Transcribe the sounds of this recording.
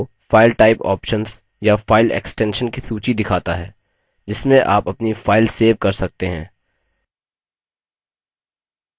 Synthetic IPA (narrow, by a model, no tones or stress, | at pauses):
faːɪlʈaːɪpɔ̰ːpʃənz | jafaːɪlḛːksʈɛ̃ːnʃənkisuːt͡ʃid̪ɪkʰaːt̪aɦɛː | d͡ʒɪsmẽʔa̰ːpɐpnifaːɪlseːʋkɐɾsɐk̚t̪eɦɛ̰̃ː